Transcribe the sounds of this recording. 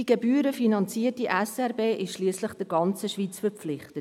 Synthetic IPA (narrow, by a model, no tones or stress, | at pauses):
iɡ̥ebyːɾəfinɑnt͡siːətiʔɛsɛɾbeːʔɪʃʃliːsləχd̥əɾɡɑnt͡səʃviːt͡sfəɾp͡flɪχtət